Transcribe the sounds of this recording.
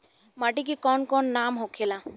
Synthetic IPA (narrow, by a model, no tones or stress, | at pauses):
maʈik̬ikɔnkɔnːamɦokʰela